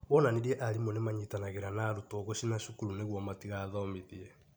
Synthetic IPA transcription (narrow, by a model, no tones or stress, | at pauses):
βɔnaniɾiɛʔaɾimwɛnemaɲitanaɣeɾanaːɾutɔɣoɕinaʃukuɾuneɣwɔmatiɣaːðɔmeðiɛ